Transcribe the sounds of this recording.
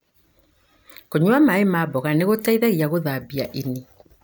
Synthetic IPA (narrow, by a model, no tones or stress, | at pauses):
koɲwamaemaːbɔɣaneɣotaiðɛɣiaɣoðabiaʔini